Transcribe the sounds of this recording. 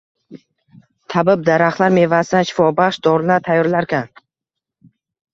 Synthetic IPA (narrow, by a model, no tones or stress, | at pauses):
t̪ʰabɪb̚d̪aɾaχlˠaɾme̞vasɪd̪anʃɪ̥fɒbaχʃd̪ɒɾɪnat̪ʰajːɒɾlaɾkʲan